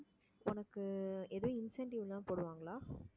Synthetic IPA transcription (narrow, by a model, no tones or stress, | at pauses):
ʊnɐkːɯɛðɯʋẽɪnsɛɳʈɪʋlãːpoːɽɯʋaːŋɡɐlaː